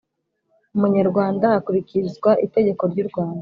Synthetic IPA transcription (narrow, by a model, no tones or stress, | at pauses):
umuɲaɾɡwaːndaːkuβicizɡwaʔite̞ɟe̞ko̞ɾɟuɾɡwaːnda